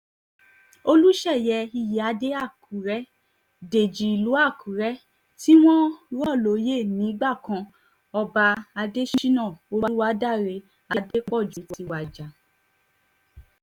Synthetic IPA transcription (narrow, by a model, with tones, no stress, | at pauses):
o˧lu˦ʃɛ˦˨jɛ˧i˧˨ji˨a˧˦de˦a˦˨kʰu˨ɾɛ˦ | de˨d͡ʒi˨i˨lu˨˦a˦˨kʰũ˨ɾɛ˦ | ti˦w̃ɔ̃˦ɾɔ˦˨lo˨˦je˦˨nĩ˨˦ɡ͡ba˦˨kã˧ | ɔ˧ba˧a˧de˦ʃi˦ʃi˦nã˦˨o˧˦wa˦wa˦da˦˨ɾe˧ | a˧de˦k͡pɔ˦˨d͡ʒu˨˦ti˧wa˨d͡ʒa˨